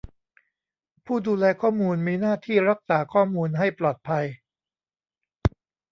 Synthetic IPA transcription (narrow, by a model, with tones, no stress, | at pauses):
pʰuː˥˩duː˧lɛː˧kʰɔː˥˩muː˧nmiː˧naː˥˩t̪ʰiː˥˩ɾa˦˥k̚saː˩˦kʰɔː˥˩muː˧nɦa˥˩jplɔː˨˩t̪̚pʰa˧j